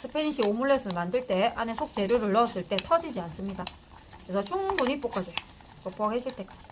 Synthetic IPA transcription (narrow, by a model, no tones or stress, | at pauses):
sʰɯpʰeiɕʰiomuɭːesʰɯɭmandɯɭt͈e̞anesʰok̚t͡ɕe̞ɾjoɾɯɭːʌs͈ɯɭt͈e̞tʰʌd͡ʑid͡ʑians͈ɯmɲida | kɯɾesʰʌt͡ɕʰuŋbuɲip͈ok͈ad͡ʑo | kʌp͈ʰoɡɦeɕʰiɭt͈e̞k͈ad͡ʑi̥